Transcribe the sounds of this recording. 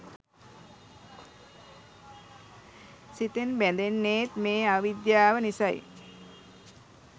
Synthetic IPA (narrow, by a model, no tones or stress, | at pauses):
sit̪enbɛnd̪enːeːt̪meːaʋid̪jaːʋənisɐj